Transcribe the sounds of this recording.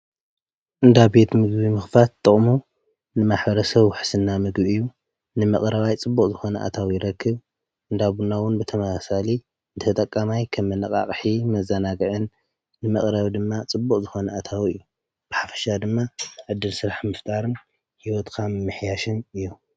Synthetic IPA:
ʔɨnd̪abe̞t̪mɨɡbimɨxfat̪ʼːɨχʼmu | nɨmaħbɐɾɐsɐβwʊħsɨnːamɨɡbiɨjːu | nɨmɐ̰χʼɾɐβajt͡sʼɨbːukʼzɨxo̞nɐʔa̰t̪ʰawjɪɾɐkːɨβ | ʔɨnd̪aβunːawʊnbɨt̪ʰɐmasasali | ɨnt̪ɨɐt̪ʼɐkʼːamajkʰɐmːɨnɨkʼa̰χʼħimɐzɐnaɡɨʕɨnː | ɨmɐχʼɾɐβd̪ɨmːat͡sʼɨbːukʼzɨxo̞nɐat̪ʰawɨjːu | b̥ɨħafɐ̥ʃad̪ɨmːaʕɨd̪ːɨlsɨɾaħmɨft̪ʼaɾɨn | hiwɔt̪kʰammːɨħjaʃɨnɨjːu

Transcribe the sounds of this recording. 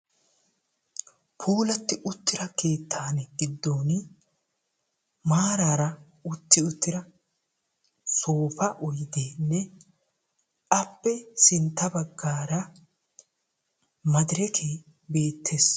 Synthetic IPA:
pʰuːlɐt̪ːɪʔʊt̪ːɪɾɐkʰe̞ːt̪ʰːaːnɛɡɪd̪ːoːn | maːɾaːɾɐ | ʊt̪ːɪʊt̪ːɪɾɐ | soːfɐʔɔjd̪eːnːɛ | ɐpːɛsɪnt̪ːɐbɐɡːaːɾɐ | mɐd̪ɪɾɛkʰeː | be̞ːt̪ʰːeːs

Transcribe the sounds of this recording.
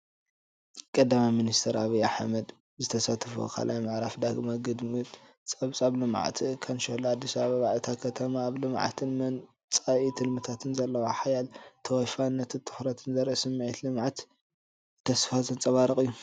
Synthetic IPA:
kʼɐd̪amajminist̪ʰɐɾaβia̰ħmɐd̪ | zɨt̪ʰɐsat̪ʰfo̰kʰa̰lʔa̰jmɨʕɾafd̪aɡmaɡɨd̪mɨt̪ʼ | t͡sʼɐβt͡sʼaβlɨmʕa̰t̪ʰikʰanʃolːad̪ːisɐβaβaβaʕɨt̪ʰakʰɐt̪ʰɐmaːβlɨmʕa̰t̪ʰɨnmɐn | t͡sʼaʔit̪ʰɨlmɨt̪ʰat̪ʰɨnzɐlːɐwaħajalt̪ʰɐwɔfanːɐt̪ʰɨt̪ʰɨ̥ħɾɐt̪ʰɨnzɐɾʔɐsɨmːʕit̪lɨmʕat̪ | t̪ʰːɐsfat̪ʰɨnt͡sʼɐβaɾɨkʼɨjːu

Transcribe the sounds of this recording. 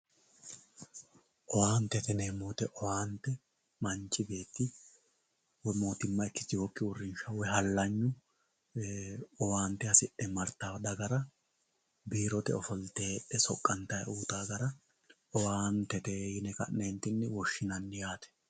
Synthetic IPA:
ʔɔwaːnt̪ːɛt̪ɛneːmːoːt̪ɛʔɔwaːnt̪ːɛ | mɐnt͡ʃːɪbe̞ːt̪ːɪ | wɔmo̞ːt̪ɪmːɐɪt̪ːɪ̥t̪ɪwɔkːɪwʊrːɪnʃɐwɛɦɐlːɐɲːʊ | ɔwaːnt̪ɛɐsɪʔːɛmɐɾt̪ːad̪ɐɡɐɾɐ | biːɾɔt̪ɛ̰ɔfɔlt̪eːɗːɛsɔkʼːɐnt̪ɐjɐ̰ʔuːt̪aːɡɐɾɐ | ɔwaːnt̪ɛt̪eːjɪnɛkɐ̰nːeːnt̪ːɪnːɛwɔʃːɪnɐnːɪjaːt̪ɛ̥

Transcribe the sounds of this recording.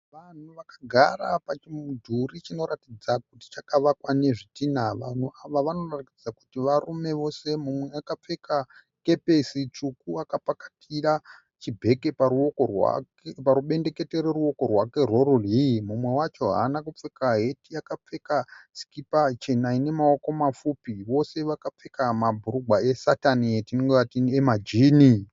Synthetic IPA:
ʋan̤uʋakaɡʱa̰ɾa̰pat͡ʃimudʱurit͡ʃino̞ɾatid͡zak̚uti̥t͡ʃakaʋakwane̞ʐitinaʋan̤uaʋaʋano̞ratid͡zaku̥tiʋarume̞ʋo̞se̞mumwe̞akap͡fe̞ka | ke̞pe̞sit͡ʂukuakapakḁtʰiɾa | t͡ʃibʱe̞ke̞paɾuokorwa̰ | paɾuɓe̞nde̞ke̞teɾeɾuo̞ko̞rwake̞rwoɾurimumwe̞wat͡ʃo̞ɦa̰ːnakup͡fekaɦe̞tijakap͡fe̞kasi̥kipat͡ʃe̞naine̞mao̞ko̞mafupiʋo̞se̞ʋakap͡fe̞kamabʱuɾuɡwae̞satanietinoŋɡeʋatiemad͡ʒiːni

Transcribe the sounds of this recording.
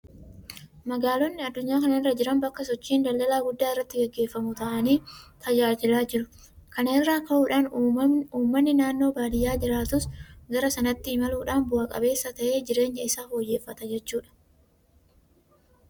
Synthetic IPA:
mɐɡaːlɔnːɪɐd̪ːʊɲːaːkɐnɐɪrːɐd͡ʒɪɾɐmbɐkːɐsɔt͡ʃːiːnd̪ɐld̪ɐlaːɡʊd̪ːaːɪrːɐt̪ːɪɡɛɡːe̞ːfːɐmʊt̪ɐʔɐniːt̪ʰɐd͡ʒaːd͡ʒɪlaːd͡ʒɪɾʊ | kɐnɛːrːaːkɐʔuːᶑaːnuːmːɐnːɪnaːnːo̞ːbaːd̪ɪjːaːd͡ʒɪɾaːt̪ʊsɡɐɾɐsɐnɐt̪ːɪɪmɐluːᶑaːnbʊʔɐkʼɐ̰be̞ːsːɐt̪ɐʔe̞ːd͡ʒɪɾe̞ːɲːɐɪsaːfoːjːeːfːɐt̪ɐd͡ʒɛt͡ʃːuːᶑɐ̥

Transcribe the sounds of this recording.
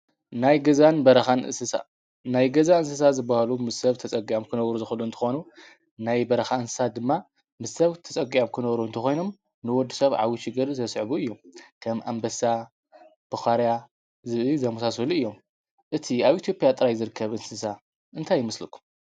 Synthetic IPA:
najɡɐzanbɐɾɐxanʔɨ̰sɨsa̰ | najɡɐzaɨnsɨs̬azɨbːahalumɨsːɐβt̪ʰɐt͡sʼɐɡiʔamkʰɨnɐβɾuzɨxɨlunt̪ʰɨ̥xo̞nu | najbɐɾɐxaɨnsɨ̥sad̪ɨmːa | mɨsɐβt̪ʰɐt͡sʼɐɡiʔamkʰɨnɐβɾuɨnt̪ʰɐxo̞jno̞m | nɨwɔd̪ːisɐβʕa̰wiʃɪɡɨɾzt̪ʰɐsʕβuɨjːo̞mkʰɐmʔa̰mbɐsa | b̥ɨxaɾja | zɨβizɐmusasɐluɨjːo̞m | ʔɨt̪ʰiaβʔit̪ʰijo̞pʼjat̪ʼɨɾajzɨɾɨkʰːɐβʔɨnsɨs̬a | ʔɨnt̪ʰajːɪmɐslɨkʰːu̥m

